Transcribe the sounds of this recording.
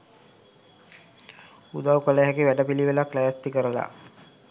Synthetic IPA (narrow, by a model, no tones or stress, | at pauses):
ud̪awkələɦækiʋæɖəpiliʋelaklæʋæt̪ːikəɾəla̰